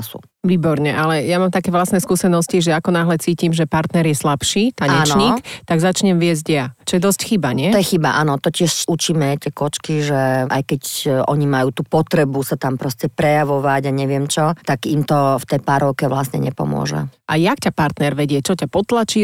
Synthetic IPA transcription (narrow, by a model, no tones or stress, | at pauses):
sṵ | ʋiːbɔɾɲɛʔalɛjamaːmt̪akɛʋlasnɛskuːsɛnɔsciʒɛakɔnaːɦlɛt͡siːcimʒɛpaɾt̪nɛɾjɛslapʃiːt̪aɲɛnt͡ʃ̪ɲikt̪aɡzat͡ʃɲɛmʋɪɛzɟjat͡ʃɔjɛd̪ɔscxibaɲɛt̪ɔjɛxibaʔanɔt̪ɔcɪɛʃut͡ʃiːmɛt̪ɪɛkɔt͡ʃkiʒɛa̰jkɛcʔɔɲimajuːt̪uːpɔt̪ɾɛbusat̪ampɾɔscɛpɾɛjaʋɔʋaɟaɲɛʋɪɛmt͡ʃɔt̪aɡimt̪ɔft̪ɛjpaɾɔkɛʋlasɲɛ̰ɲɛpɔ̰mʊɔ̰ʒɛ̰ʔajakcapaɾt̪nɛɾʋɛɟɪɛt͡ʃɔcapɔt̪lat͡ʃi